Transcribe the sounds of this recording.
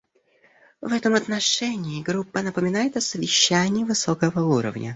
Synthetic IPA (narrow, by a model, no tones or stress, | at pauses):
vɛt̪əmɐt̪nɐʂɛnʲɪːɡɾupːənəpəmʲɪnajɪt̪ɐsəvʲɪɕːænʲɪːvɨsokəvəuɾə̰vnʲʔə̰